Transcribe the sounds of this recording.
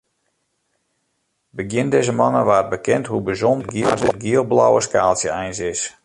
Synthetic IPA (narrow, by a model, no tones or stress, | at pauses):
bəɡjɪndɛzəmɑnəʋaːət̚bəkɛntɦubəzɔndɡiəlˠb̚ɡiəlˠbla̰wəskaːlˠsjəɛjnsɪs